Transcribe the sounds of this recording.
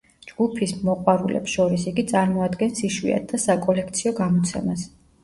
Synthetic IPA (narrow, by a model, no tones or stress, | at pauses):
d͡ʒɡupʰismɔqʼwaɾulɛ̰psʃɔɾisiɡit̪sʼaɾmɔad̪ɡɛnsiʃwḭa̰t̪̚ʰd̪asakʼɔlɛk̚ʰt̪sʰiɔɡamɔt̪sʰɛ̰mas